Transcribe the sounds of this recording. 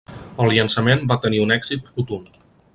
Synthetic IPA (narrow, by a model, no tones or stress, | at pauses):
əlˠʎiənsəmembat̪əniunɛɡz̥it̪fut̪un